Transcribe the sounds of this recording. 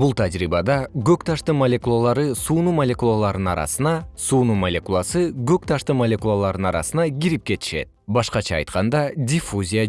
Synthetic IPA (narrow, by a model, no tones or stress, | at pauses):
bulˠt̪ʰad͡ʒɾiːbɑd̪ɑɡøkt̪ʰɑʃt̪ɯmɐlʲe̞kulˠalˠɑɾɯsuːnumɐlʲe̞kulˠalˠɑɾd̪ɯnɑ̰ɾɑ̰sɯnɑsuːnumɐlʲe̞kulˠasɯɡøk̚t̪ʰɑʃt̪ɯmɐlʲe̞kulˠalˠɑɾd̪ɯnɑɾɑ̰sɯnɑɡiɾip̚ke̞t̪i̥ʃe̞̰t̪̚bɑʃqɑt͡ʃʰɑ̰ːjt̪qɑnd̪ɑdʲifuzʲija